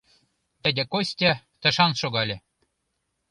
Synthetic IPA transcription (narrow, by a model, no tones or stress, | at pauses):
t̪ɘ̆dʲɘ̆kosʲtʲɘ̆ | t̪ə̆ʃɑnʃoɣɑlʲĕ